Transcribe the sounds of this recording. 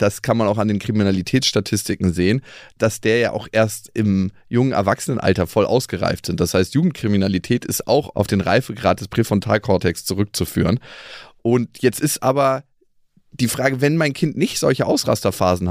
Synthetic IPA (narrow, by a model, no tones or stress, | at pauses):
d̥askʰanmanaʊxandeːnkʁ̥iminalitʰɛːt͡sʃtatʰɪstɪkŋ̩zeːənd̥asd̥eːɐja̰ːʔa̰ʊxʔeːɐstʔɪm | jʊŋənʔɛ̰ɐvaksənənʔa̰ltɐfɔlʔa̰ʊsɡ̥əʁa̰ɪftz̥ɪntd̥ashaɪstjuːɡŋ̩tkʁ̥iminalitʰɛːtɪsta̰ʊxa̰ʊfd̥eːnʁa̰ɪfəɡʁa̰ːt̚d̥ɛspʁ̥efɔntʰa̰ːlkʰɔtʰɛkst͡suʁʏk̚t͡sufy̰ːʁənʔʊntjɛt͡stɪstʔaːbɐ | d̥iːfʁ̥aːɡəvɛnmaɪnkʰɪntnɪçtz̥ɔlçəʔaʊsʁa̰stɐfa̰ːzn̩